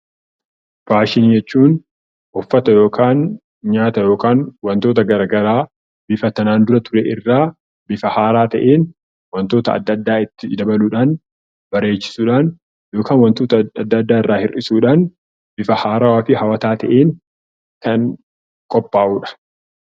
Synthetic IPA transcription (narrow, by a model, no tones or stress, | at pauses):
b̥aːʃɪnid͡ʒɛt͡ʃːuːn | ʔɔfːɐt̪ɐjo̞ːkʰaːn | ɲaːt̪ɐjo̞ːkaːnwɐnt̪o̞ːt̪ɐɡɐɾaɡɐɾaː | bɪfɐt̪ɐnaːnd̪ʊɾɐt̪ʊɾɛʔɪrːaː | bɪfɐhaːɾaːt̪ɐʔeːn | wɐnt̪o̞ːt̪ɐɐ̰d̪ːɐd̪ːaːɪt̪ːɪd̪ɐbɐluːᶑaːn | bɐɾe̞ːt͡ʃːɪ̥suːᶑaːn | jo̞ːkʰaːnwɐnt̪o̞ːt̪ɐɐd̪ːɐd̪ːaːɪrːaːhɪrʔɪsuːᶑaːn | bɪfɐhaːɾawaːfɪhɐwɐt̪aːt̪ʰɐʔeːn | k̪ɐŋ | kʼɔpʼːaːʔuːᶑɐ̥